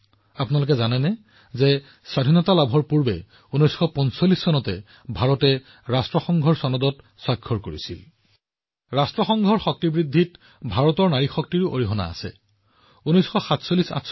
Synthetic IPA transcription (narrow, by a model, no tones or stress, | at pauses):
apunalʊk̬ɛzanɛnɛ | zɛ | sadʱinɔtalabʱɔɹpuɹbɛ̰ | unɔjsxɔpɔnsɔlːisːɔnɔtɛ | bʱaɹɔtɛ | ɹastɹɔxɔŋɡʱɔɹsɔnɔdɔt | swaɡʰʱːɔɹkoɹisḭl | ɹastɹɔxɔŋɡʱɔɹxɔk̚tibɹid̪ʱːit | bʱaɹɔtɔɹnaɹixɔk̚tiɹʊʔoɹiɦɔna̰ːsɛ̰ | unɔjsxɔxatsolisa̰t